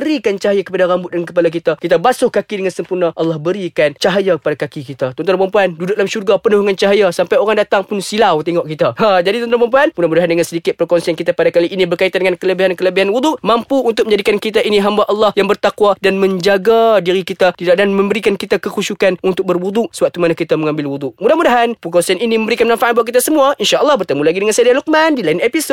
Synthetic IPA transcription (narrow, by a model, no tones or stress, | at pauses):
bəɾikant͡ʃaɦajakəpadaɾambʊt̪̚dankəpalak̬it̪akit̪abasʊhkakidəŋansəmpurnaʔɑlːɑhbəɾikant͡ʃaɦajakə̥padakakikit̪at̪ɔnt̪anpampuandudʊʔlamʃurɡapənuhŋant͡ʃaɦajasampajoɾaŋdat̪aŋpʊnsilawt̪eŋɔʔ̚kit̪ahad͡ʒadit̪ɔnt̪anpamp̬uanpunamudaɦandəŋansədikɪt̪̚pərkɔnsiankit̪apadakaliʔinibərkait̪andəŋankələbiɦankələbiɦanwud̪ʊʔmampuːnt̪ʊk̚əɲd͡ʒadikankit̪aʔiniɦambaʔalːɑhjaŋbərt̪akwadanmə̃ɲd͡ʒaɡadiɾikit̪at̪idaʔdanməmbəɾikankit̪akəkuʃukanunt̪ʊk̚bərwud̪ʊʔsəwak̚t̪umanakit̪aməŋãmbɪlwud̪ʊʔmudahmudaɦanpəkɔnsianiniməmbəɾikanmãnfaʔanbuaʔkit̪asəmuaʔinʃaʔəlˠːɑhbərt̪əmulaɡidəŋansadaaluk̚mandilainepiso